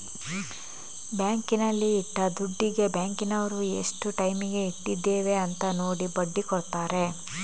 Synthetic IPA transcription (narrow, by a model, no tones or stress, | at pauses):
bjaːŋkinɐlːiːʈːɐd̪uɖːiɡe̞baːŋkinɐʋɐɾue̞̰ʂʈuʈɐjmiɡe̞iʈːid̪ːeːʋe̞ɐnt̪ɐno̞ːɽibɐɖːikɔɽt̪aːɾe̞